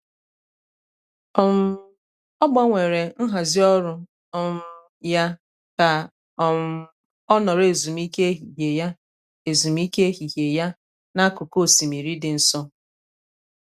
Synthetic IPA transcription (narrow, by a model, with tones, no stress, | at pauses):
ɔ˦m̩˦ | ɔ˦ɡ͡bɔ˦ŋʷe˨ɾe˨n̩˦ɦa˨zɪ˦ɔ˦ɾʊ˦ | ɔ˦m̩˦ | ja˦ | ka˨ | ɔ˦m̩˦ | ɔ˦nɔ˨ɾe˨zu˨m˦i˦ke˦ɦi˨ɦe˨ja˦ | e˨zu˨m˦i˦ke˦e˦ɦi˨ɦe˨ja˦ | na˦kʊ˨ko˦˨si˨mi˨ɾi˦dɪ˨n̩˨sɔ˦